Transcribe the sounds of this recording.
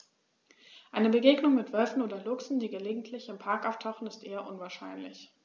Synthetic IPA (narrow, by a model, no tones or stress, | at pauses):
ʔaɪnəbəɡeːɡnʊŋmɪtv̥œlfn̩ʔoːdɐlʊksn̩diːɡəleːɡŋ̩tʰlɪçɪmpʰaɐkʔaʊftʰaʊχn̩ɪstʔeːɐʔʊnvaːɐʃa̰ɪnlɪ̰ç